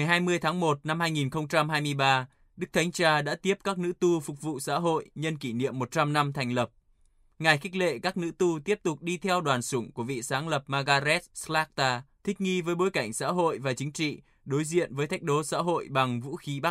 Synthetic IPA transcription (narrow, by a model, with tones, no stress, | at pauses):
ŋa˨˩jɦaː˧jmɨ˧əjt̪ʰaː˨˦ŋmo˨˩t̚na˧mhaː˧jŋi˨˩nxə˧wŋ͡mt͡ɕa˧mɦaː˧jmɨ˧əjɓaː˧ | ɗɨ˦˥k̚t̪ʰa˨˦jŋ̟t͡ɕaː˧ɗa̰ː˧˥t̪i˦˥əp̚kaː˦˥k̚nɨ̰˧˥t̪u˧fʊ˨˩k͡p̚vṵ˧˨sa̰ː˧˥ɦo̰˧˨jɲə˧nki˧˩nḭ˧˨əmːo˨˩t̚t͡ɕa˧mna˧mt̪ʰa˨˩ŋ̟lə˨˩p̚ | ŋa˨˩jxi˦˥k̟̚lḛ˧˨kaː˦˥k̚nɨ̰˧˥t̪u˧t̪i˦˥əp̚t̪ʊ˨˩k͡p̚ɗi˧t̪ʰɛ˧wɗwaː˨˩nsʊ˨˧˩ŋ͡mku˧˩əvḭ˧˨saː˨˦ŋlə˨˩p̚maː˧ɣaː˧zɛ˦˥t̚sla˦˥k̚t̪aː˧t̪ʰï˦˥k̟̚ŋi˧vəː˨˦jɓo˨˦jka˧˩jŋ̟sa̰ː˧˥ɦo̰˧˨jvaː˨˩t͡ɕï˨˦ŋ̟t͡ɕḭ˧˨ | ɗo˨˦jzḭ˧˨ənvəː˨˦jt̪ʰa˦˥jk̟̚ɗo˨˦sa̰ː˧˥ɦo̰˧˨jɓa˨˩ŋvṵ˧˥xi˨˦ɓa˦˥k̚